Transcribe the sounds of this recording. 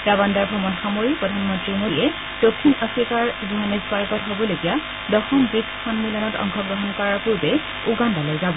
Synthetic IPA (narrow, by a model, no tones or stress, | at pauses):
ɡabandaɹbʱɔmɔnxamoɹipɹɔdʱanmɔntɹimoiɛ | d̥okʰːinəsikaɹziɦanisbaɹkɔtɦobɔloɡija | dɔxɔmbɹitkʰɔnmilɔnɔtɔ̰ŋkʰɔɡɹɔɦɔnkɔɹaɹpuɹbɛ | uɡandalɔjzabɔ